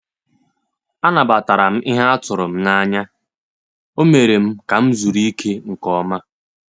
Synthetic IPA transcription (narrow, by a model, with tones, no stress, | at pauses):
a˦na˨ba˨ta˨ɾa˨m̩˦ʔɪ˦ɦa˦a˦tʊ˨ɾʊ˨m̩˦na˦ɲa˦ | o˦me˨ɾe˨m̩˦ka˨m̩˦zu˨ɾi˦kʰe˦ŋ̩˨kɔ˦ma˦